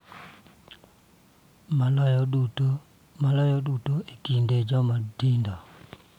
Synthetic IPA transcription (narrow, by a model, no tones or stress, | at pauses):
mlu | malɔjɔdutoekinded͡ʒɔmadindɔ